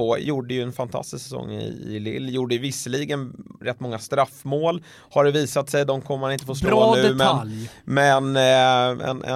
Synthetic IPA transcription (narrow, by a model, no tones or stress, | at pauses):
oːjuːɖəjɵɛnfant̪ʰa̰st̪ɪsksɛsɔ̰ŋːɪ̰ɪ̰lɪ̰lːjuːɖəvɪsːəliːɡənɾɛt̪ːmɔŋːast̪ɾafmoːl | haɖɛviːsat̪sɛjd̪ɔmkʰɔmːəmanɪnt̪əfoːst̪oːʉ̟mɛnmɛn | ɛ̰nɛ̰